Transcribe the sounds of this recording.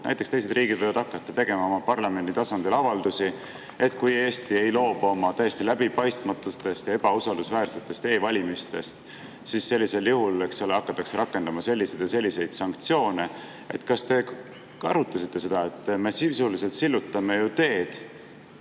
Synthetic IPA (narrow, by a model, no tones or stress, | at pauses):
næ̰jt̪ːˑekst̪ejse̞d̪rʔiːɡ̥id̪̥ojvɑd̪ɑkːˑɑt̪ːɑt̪e̞ɡe̞mɑo̞mɑpɑrlɑme̞nit̪ɑsɑnd̪̥ilɑvɑld̪usi | e̞t̪kuje̞ːst̪ie̞jlo̞ːb̥o̞mɑt̪æjːest̪ilæb̥ipɑjst̪mɑt̪ːut̪ːe̞st̪jɑeb̥ɑusɑld̪usvæːrse̞t̪ːˑe̞st̪e̞ːvɑlʲimist̪e̞st̪ | sisse̞lʲːise̞ljuhule̞ksoleɑkːˑɑt̪ˑːɑkseɾɑkːˑend̪ɑmɑse̞lʲːised̪̥jɑse̞lʲːise̞jd̪̥sɑŋkt̪sijo̞ːne̞ | e̞̰t̪kɑst̪e̞ | kɑ̰ɾut̪ˑːɑsit̪ːe̞se̞d̪̥ɑet̪ːˑme̞sisulise̞lt̪silːut̪ːˑɑme̞jut̪e̞ːd̪̥